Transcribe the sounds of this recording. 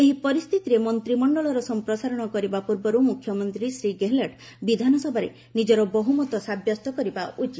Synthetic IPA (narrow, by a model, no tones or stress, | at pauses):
eɦipɔɾist̪ʰit̪iɾemɔnt̪ɾimɔɳɖɔɭɔɾɔsɔmpɾɔsaɾɔɽ̃ɔkɔɾibapuɾbɔɾumukʰjɔmɔnt̪ɾisɾiɡeɦleʈ | bid̪ʱanɔsɔbʱaɾḛ | nid͡ʒɔɾɔbɔɦumɔt̪ɔsabjɔst̪ɔkɔɾibaut͡ʃi